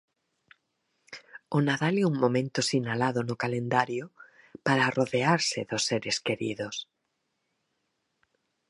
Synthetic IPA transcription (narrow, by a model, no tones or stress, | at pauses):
ʊnaðalɛuŋmomẽnt̪ʊsinalaðʊnʊkalend̪aɾjʊ | paɾaroðeaɾsɪðʊsːeɾɪskeɾḭðʊs